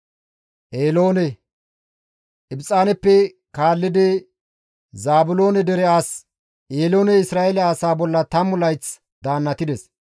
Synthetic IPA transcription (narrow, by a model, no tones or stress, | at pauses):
ʔeːlo̞ːnɛ | ʔɪbt͡sʼːaːnɛpːɛ | kaːlːɪd̪ɪ | zaːbʊlo̞ːnɛd̪ɛɾɛaːs | ʔeːlo̞ːnɛɪsɾaːʔɛlɐaːsaːbɔlːɐt̪ɐmʊlɐjt͡s | d̪aːnːɐt̪ɪd̪ɛs